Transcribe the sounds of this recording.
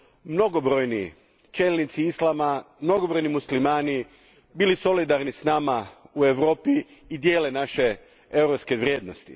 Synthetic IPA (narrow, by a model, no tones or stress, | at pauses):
mno̞ɡobɾojnḭ | t͡ʃelnit̪siislˠama | mno̞ɡobɾojnimuslimaːni | biliso̞lid̪aɾnisnamaue̞ʋɾo̞ːpiː | d̪je̞ːlenaʃe | ewɾopskeʋɾjeːd̪nost̪ḭ